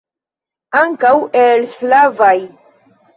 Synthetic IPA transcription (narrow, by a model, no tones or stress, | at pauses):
aŋkawelslavaj